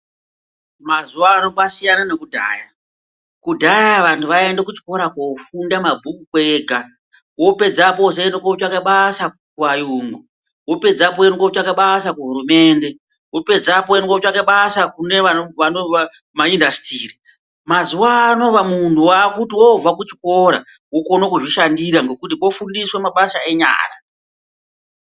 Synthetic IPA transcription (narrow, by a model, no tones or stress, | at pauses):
mazuwano̞kasijananekudʱa̰ːja | kudʱajaʋantʰuʋaendekut͡ʃko̞ɾakofundamabʱukukweːɡʱa | wo̞pe̞d͡zaposeendekot͡ʃakaɓasa | kuwajuːŋɡu | wo̞pe̞d͡zapoenkot͡ʃakaɓasakuɦuɾume̞ːnde̞ | wo̞pe̞d͡zapoenkot͡ʃakaɓasakune̞aʋanoʋa | maindasi̥tiːri | mazuwaːno̞ʋamuntuwakutiwo̞vakut͡ʃi̥ko̞ɾa̰ | wokonokuʐiʃandiɾaŋɡo̞kut̬ipo̞fundiswemaɓaʃae̞ɲa̰ːra̰